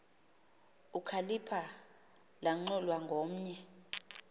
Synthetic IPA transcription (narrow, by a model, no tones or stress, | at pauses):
ukʰalipʰa | laŋ͡ǃɔlwaŋɡʱom̩ɲɛ